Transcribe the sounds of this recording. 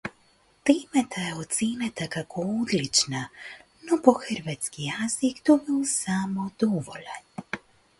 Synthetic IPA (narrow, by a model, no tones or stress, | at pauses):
t̪eːmet̪ʰajeot̪seːnat̪akakʰood̪lit͡ʃna | nopoxɾʋat̪skijazikt̪obiwsamod̪ɔʋoʎan